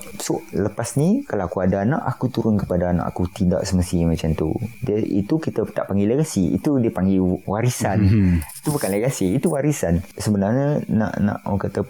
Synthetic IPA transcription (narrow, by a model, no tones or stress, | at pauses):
soʔləpasnĩkalaakuadaːnã̰ʔakut̪uɾʊnkə̥padaːnã̰ʔa̰kut̪ida̰ʔsəməst̪imãt͡ʃamt̪ṵdəʔḭt̪ukit̪ət̪a̰ʔpaŋɡiləɡasiḭt̪udiəpaŋɡiwaɾisanit̪ubukanləɡasiːt̪uwaɾisansəbənarɲanã̰ʔnã̰ʔɔ̰kat̪ə